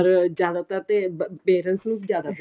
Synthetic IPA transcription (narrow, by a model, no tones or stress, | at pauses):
əɾd͡ʒjaːd̪aːt̪at̪epeːɾənsnũːd͡ʒjaːd̪at̪